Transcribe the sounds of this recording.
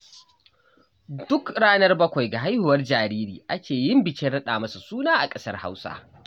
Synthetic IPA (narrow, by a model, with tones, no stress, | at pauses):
dʊ˦kɽaː˦nɐ˦rbɐ˦kʷa˨jɡa˨ɦa˦jhʊ˨wɐ˦rd͡ʒaː˨ɾiː˦ɾiː˨ʔa˦kʲʰeː˨jɪ˦mbɪ˨t͡ʃɛ˦ɽɐ˦ɗaː˨mɐ˦su˨suː˦naː˦ʔa˨kʼɐ˦sɐ˦rha̰˦wsa̰ː˦